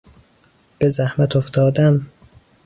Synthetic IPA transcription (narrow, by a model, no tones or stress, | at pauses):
b̥ezæhmæt̪ʰoft̪ʰɒːd̪æm